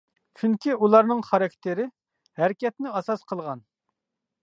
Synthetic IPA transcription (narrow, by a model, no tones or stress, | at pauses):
t͡ʃʰyŋkʲiulˠɑɾnɨŋχɑɾɑkʲt̪ʰɪɾɪ | hæɾkʲɛt̪nɪɑsɑsqʰəlˠʁɑn